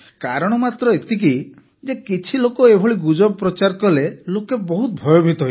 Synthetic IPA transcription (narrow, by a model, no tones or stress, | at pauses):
kaɾɔɽ̃ɔmat̪ɾɔet̪ik̬i | d͡ʒekit͡ʃʰilokɔebʱɔɭiɡud͡ʒɔbpɾɔt͡ʃaɾkɔlelokebɔɦut̪̚bʱɔjɔbʱit̪ɔɦ